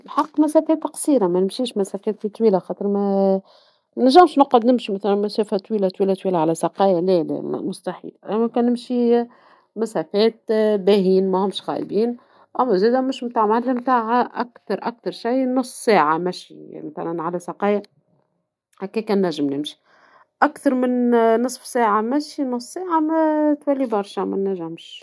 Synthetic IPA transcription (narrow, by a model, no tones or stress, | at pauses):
ɪlħɑqːmæsæːfɛːt̪qsˤiːɾɑmænɪmʃiːʃmæsæfɛːt̪fit̪ˤwiːlaxɑːt̪ˤəɾmæ | næʒːæmʃnʊqəd̪nɪmʃimæθælænmæsæːfat̪ˤwiːlat̪ˤwiːlæt̪ˤwiːlaʕalæsɑqɑːjalælɛ̰mʊst̪aħḭːlʔæmækɛːnːɪmʃi | mæsæːfɛːt̪̚bæɦiːnmæhʊmʃɣɑ̰ːʔbiːn | ʔæmæzæːd̪æmʊʃmt̪aːʕmanlimt̪aːʕʔæ̰kt̪ɑɾˤʔæk̚t̪ɑɾˤʃijnʊsˤːsæːʕamæʃḭmæθæ̰lænʕalæsɑqɑːja | hækɛːkæːnːæʒːɪmnɪmʃi̥ | ʔækt̪ɑɾˤmɪnnːɨsˤfsæːʕamæʃinʊsˤːsæːʕamæt̪wælːibɑɾˤʃæmæ̰nːæʒɪmʃ